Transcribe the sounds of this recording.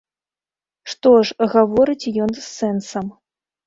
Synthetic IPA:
ʂt̪ɔʂɣavɔɾɨt͡sʲjɔnsːɛnsɐm

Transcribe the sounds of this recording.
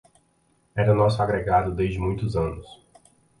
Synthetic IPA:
ɛɾɐnɔsʊaɡɾeɡad̪ʊd̪ezd͡ʒɪmũj̃t̪ʊzɐ̃nʊs

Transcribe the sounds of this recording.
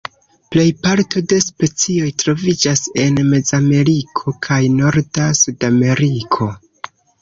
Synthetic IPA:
ple̞jpaɾtʰo̞de̞spe̞t͡sio̞jtɾo̞vid͡ʒase̞nme̞zame̞ɾikʰo̞kʰajno̞ɾdasudame̞ɾikʰo̞

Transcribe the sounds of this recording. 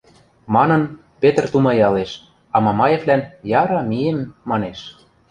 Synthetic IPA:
mɑnɤ̆n | pet̪rt̪umɑjɑleʃ | ɑmɑmɑjeβlænjɑɾɑmijemːɑneʃ

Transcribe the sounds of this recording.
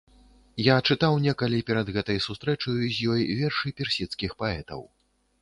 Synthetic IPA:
jat͡ʂɨt̪awnʲɛkɐlʲipʲɛɾɐd̪ɣɛt̪ɐjsust̪ɾɛt͡ʂɐjuzʲjɔjvʲɛrʂɨpʲɛrsʲit̪skʲixpaɛt̪ɐ̰w

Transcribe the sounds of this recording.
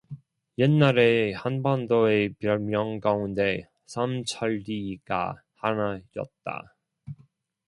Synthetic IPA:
jenːaɾehanbandoepjʌɭmjʌŋɡaunde̞ | sʰamt͡ɕʰaɭdiɡ̥a̰ | hanajʌ̰t̚t͈a̰

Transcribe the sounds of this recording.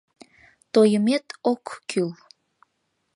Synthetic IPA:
t̪ojəmet̪okːyl

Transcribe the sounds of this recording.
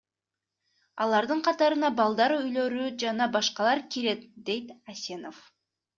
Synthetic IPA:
ɑlˠɑɾd̪ɯɴqʰɑt̪ɑɾɯnɑbɑlˠd̪ɑɾyjlø̞ɾyd͡ʒɑnɑbɑʃqɑlˠɑɾkʲʰiɾe̞t̪̚d̪e̞jt̪ɑsʲe̞nof

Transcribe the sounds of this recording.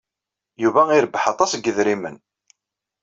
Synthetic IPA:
juvæiɾəbːħɑt̪ˤɑsɡəðɾimən

